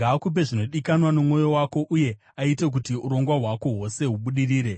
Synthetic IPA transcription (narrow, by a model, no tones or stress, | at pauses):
aːkup̬e̞ʐino̞ɗikanwanomŋo̞jo̞wako̞ʔuje̞ | aite̞k̬utiuɾo̞ŋɡwaɦwako̞ɦwo̞se̞ɦuɓuɗiriːɾe̞